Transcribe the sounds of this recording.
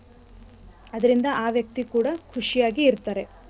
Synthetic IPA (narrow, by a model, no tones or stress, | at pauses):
ɐd̪ɐɾind̪ɐʔaːʋjɐk̚t̪ikuːɽɐkʰuʂijaːɡiːɾt̪aːɾe̞